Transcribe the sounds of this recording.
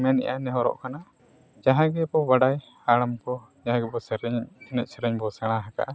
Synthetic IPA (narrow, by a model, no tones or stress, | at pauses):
mɛnḭʔanɛɦɔɾɔ̰ʔkana | d͡ʒaɦãɡɛbɔbaɖaj | aɽamkɔ | d͡ʒaɦãɡɛbɔsɛɾɛɲɛnɛc̚ˀsɛɾɛɲbɔsɛɽ̃ãɦaka̰ʔa